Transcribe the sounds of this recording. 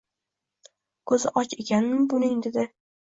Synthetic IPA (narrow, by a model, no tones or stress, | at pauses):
kʰɵzɪʔɒt͡ʃekʲʰanɪmbʊnɪŋd̪ɪd̪ɪ